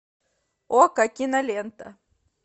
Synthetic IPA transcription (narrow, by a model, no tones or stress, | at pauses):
okakʲinɐlʲent̪ɐ̰